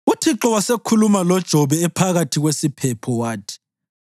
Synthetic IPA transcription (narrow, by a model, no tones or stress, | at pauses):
utʰiǁɔwasekʰulumalɔd̥ʒ̥ʱɔβɛːpʰaɣatʰiɣwesipʰɛpʰɔwaːtʰi̥